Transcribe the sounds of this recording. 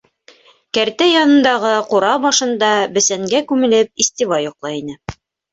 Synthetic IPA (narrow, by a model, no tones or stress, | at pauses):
kæɾt̪æjɑnɤ̆nd̪ɑʁɤquɾɑbɑʃɤ̆nd̪ɑbɘ̆sæŋɡækʉmɘ̆lɘp̚isʲt̪ʲivɑjŏqlˠɑinɘ